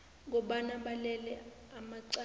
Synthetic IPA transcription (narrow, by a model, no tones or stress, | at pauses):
ŋ̬ɔɓanaɓalɛlɛ | amaǀa